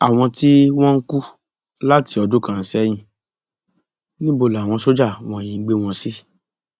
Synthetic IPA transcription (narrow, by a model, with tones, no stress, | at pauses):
a˨w̃ɔ̃˧ti˦w̃ɔ̃˦ŋ̩˦ku˦ | la˦ti˧ɔ˧do˦kã˦˨˦sɛ˦j̃ĩ˦˨ | nĩ˦bo˧˨la˨w̃ɔ̃˧so˦d͡ʒa˦˨w̃ɔ̃˧˨j̃ĩ˧˦ɡ͡be˦w̃ɔ̃˧si˦